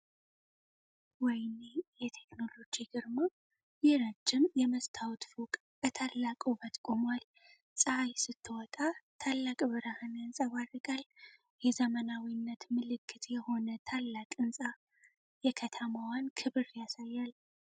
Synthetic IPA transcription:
wɔjnejɛt̪ʰe̞kno̞lo̞d͡ʒiɡɨɾmo | jɛɾad͡ʒːɪmjɛməst̪ʰawt̪fukʼ | bət̪ʰalːakʼobət̪ʼkʼomwal | sʼəhajsɨt̪ʰːɨwɔt̪ʼat̪ʰalːakʼbɨɾahanjansʼaɡʷarɨkʼal | jɛzəmənawinːət̪mɨlɨkʰːɨt̪jɛho̞nət̪ʰalːakʼɨnsʼa | jɛkʰət̪ʰəmawankʰɨβɨɾjasajːal

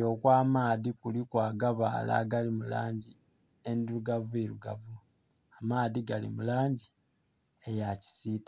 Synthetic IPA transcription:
oːkwaːmaːðikulikwaːɡaβaːla̰ɡalimula̰ːɲɟi | endiɾuɡavueɾuɡavu | amaːðiɡalḭmulaːɲɟi | ejaci̥siːtḁ

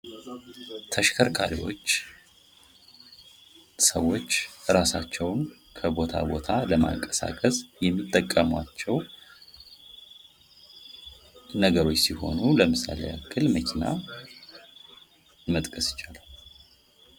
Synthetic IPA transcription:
t̪ʰəʃkʰəɾkʰaɾiwo̞̰t͡ʃː | səwːo̞t͡ʃːɾasat͡ʃːɛwn | kʰəbo̞t̪ʰa̰bo̞t̪ʰaləma̰ŋkʼə̥sa̰kʼəsjɛmːit̪ʼːəkʼːəmwat͡ʃːɛw | nəɡəɾo̞t͡ʃːsiho̞̰nuləmɨsa̰lḛakʰːɨlməkʲʰina̰ | mət̪ʼkʼəsjɪ̥t͡ʃalal

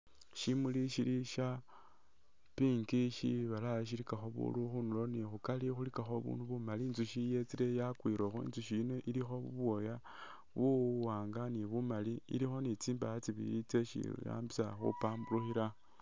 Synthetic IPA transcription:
ʃimuliʃiɾiʃa | piŋɡiʃiβalaʃ̬ilikaxo̞βṵluxunulo̞nixukalixulikaxo̞βṵnuβumalinzuʃijet͡siɾe̞jakwiɾoxoḭnzuʃino̞ʔiɾixo̞βṵβwo̞ja | βuwaːŋɡaniβumaliḭlixo̞nit͡siːmbajat͡siβḭit͡se̞ʃḭja̰ːmbisaxṵpaːmbuluxiɾa

